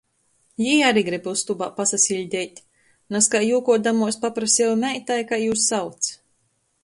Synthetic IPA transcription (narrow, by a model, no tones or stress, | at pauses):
jiːaɾiɡɾibust̪ubaːpasasʲilʲd̪ʲɛjt̪ʲ | naskajuːkɔd̪amuɔspapɾasʲɛlmʲɛjt̪ajkajuːsːawt̪s